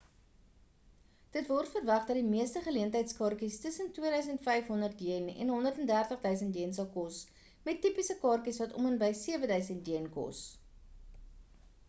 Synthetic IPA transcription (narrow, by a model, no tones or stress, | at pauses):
d̥ətvɔrtfərvɐχdɐdimiəstəχəliəntəjtskɑrkistəsəntwiəɾœɥs̬əntfɛjfɦɔndərt̚diənɛ̰nɦɔndərtɛndærtəχdœɥs̬əntiənsɐlˠkɔs | mɛtːipisəkɑːrkisvɐtɔ̰mənbəjsiəvədœɥsəntjiənkɔ̰s